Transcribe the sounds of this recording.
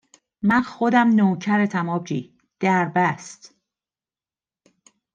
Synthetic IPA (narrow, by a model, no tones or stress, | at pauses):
mænxod̪æmnoːcʰæɾet̪ʰæmɒːbd͡ʒiː | d̪̥æɾbæst̪